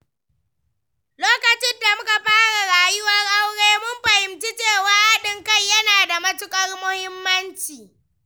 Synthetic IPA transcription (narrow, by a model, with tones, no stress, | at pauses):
loː˦kɐ˨t͡ʃɪ˦nda˨mʊ˦ka˨ɸaː˦ɽa˨ɽaː˨jʊ˦wɐ˦rʔa˦wɽeː˦mʊ˦mɸɐ˨hɪ˨mt͡ʃi˦t͡ʃeː˦˨waː˦ʔa˦ɗɪ˦ŋka˦jjɐ˦naː˨da˨mɐ˦tʊ˦kʼɐ˦rmʊ˦hɪ˦mːɐ˦nt͡ʃiː˨